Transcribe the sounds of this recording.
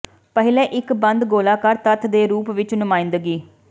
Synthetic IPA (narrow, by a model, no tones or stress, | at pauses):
pəɦɪlɛːʔɪkbənd̪ɡoːlaːkəɾt̪ət̪ʰd̪eːɾuːpʋɪt͡ʃnʊmãːĩnd̪əɡiː